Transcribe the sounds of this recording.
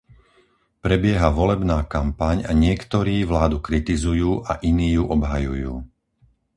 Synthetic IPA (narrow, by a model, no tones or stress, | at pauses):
pɾɛbɪɛɦaʋɔlɛbnaːkampaɲaɲɪɛkt̪ɔɾiːʋlaːd̪ukɾit̪izujuːʔaʔiniːjuʔɔbɦajujṵː